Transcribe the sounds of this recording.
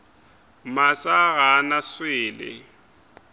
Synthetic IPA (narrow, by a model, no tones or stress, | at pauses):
masaɣanaswɪːlɪ̰